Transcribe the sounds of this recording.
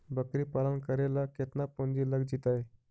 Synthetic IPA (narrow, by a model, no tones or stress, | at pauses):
bəkɾiːpalənkəɾelakʰet̪napond͡ʑiːləɡd͡ʑit̪ae